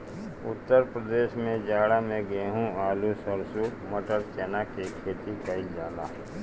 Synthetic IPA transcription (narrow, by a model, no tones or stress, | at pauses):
ʊt̪ːəɾpɾəd̪eːʃmẽd͡ʒaːɽamẽɡeːɦũaːlusəɾsuməʈəɾt͡ʃɛːnakekʰeːt̪ikəɪld͡ʒaːla̰ː